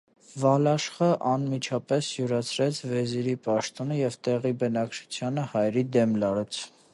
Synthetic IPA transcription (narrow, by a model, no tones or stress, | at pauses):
vɑlɑʃχəʔɑnmit͡ʃʰɑpɛsjuɾɑt͡sʰɾɛt͡sʰvɛziɾipɑʃt̪ɔnəjɛvt̪ɛʁibənɑkt͡ʃʰu̥t͡sʰjɑnəhɑjɾid̪ɛmlɑɾɛt͡sʰ